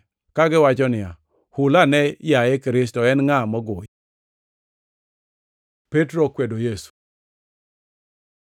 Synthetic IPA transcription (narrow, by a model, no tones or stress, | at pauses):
kaɡɪwat͡ʃɔnɪa̰ | hʊlanɛjaekɾɪs̬tɔɛnŋamɔɡo | petɾokwedojesu̥